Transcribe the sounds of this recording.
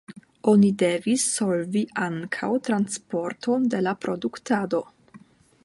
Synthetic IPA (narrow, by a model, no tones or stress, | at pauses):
o̞nide̞visːolviʔaŋkʰa̰wtɾanspo̞ɾtʰo̞nde̞lapɾo̞duktado̞